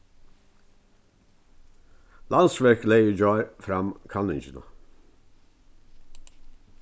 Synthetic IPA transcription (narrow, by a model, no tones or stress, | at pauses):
lʔɑnsʋæɹkleɪəd͡ʒoːɹfɾɑmkʰɑnɪnd͡ʒənə̰